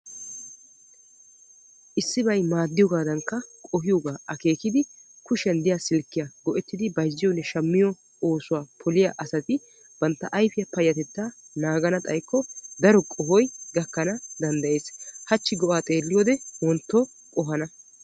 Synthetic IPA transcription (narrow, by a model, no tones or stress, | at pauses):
ʔɪsːɪbɐjmaːd̪ːɪjɔɡaːd̪ɐŋkːɐkʼɔɦɪjɔɡaːʔɐke̞ːkɪd̪ɪ | kʊʃɛnd̪ɪjasɪlkːɪjɐɡ̥ɔʔɛt̪ːɪd̪ɪbɐjzːɪjɔnːɛʃɐmːɪjɔ | oːsʊwaːpʰɔlɪjaʔɐsɐt̪ɪ | b̥ɐnt̪ːɐʔɐjfɪjɐpɐjːɐt̪ɛt̪ːaːnaːɡɐnɐt̪ʼɐjkːɔd̪ɐɾɔkʼɔɦɔjɡɐkːɐnɐd̪ɐnd̪ɐʔe̞ːshɐt͡ʃːɪɡɔʔaːt̪ʼe̞ːlːɪjoːd̪ɛwɔnt̪ːɔ | kʼɔɦɐnɐ